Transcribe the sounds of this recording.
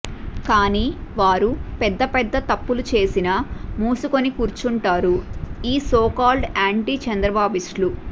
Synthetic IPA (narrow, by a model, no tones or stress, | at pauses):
kaːniːʋaːɾupɛd̪ːɐpɛd̪ːɐt̪ɐpːulut͡ʃe̞ːsinɐmuːsuko̞nikuːɾt͡ʃuɳʈaːɾuiːsoːkaːlɖaːɳʈiːt͡ʃɐnd̪ɾɐbaːbiʂlu